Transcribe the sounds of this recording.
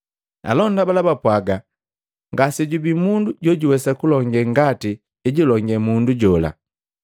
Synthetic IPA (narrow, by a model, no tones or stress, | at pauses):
a̰lɔndabalabapwaɡa | ŋɡasiɟubimunduɟɔɟuwɛsakulɔŋɡɛŋɡatiː | ɟilɔŋɡɛmunduɟɔla̰